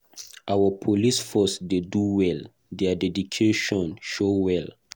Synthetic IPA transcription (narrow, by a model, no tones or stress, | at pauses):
ʔawəpʰolisfɔsdeduwɛl | dɛadɛdikʰeʃɔ̃nʃowɛl